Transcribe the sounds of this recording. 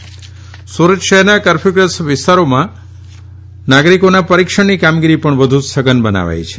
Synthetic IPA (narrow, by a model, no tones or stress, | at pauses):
suɾəd͡ʒʃəɦɛɾnakəɾfʰiɡɾəsʋɪst̪aɾomã | naɡɾikonapəɾikʃəɳnikamɡiɾipəɳʋəd̪ʱusəɡənbəna̰ʋa̰jt͡ʃʰe̥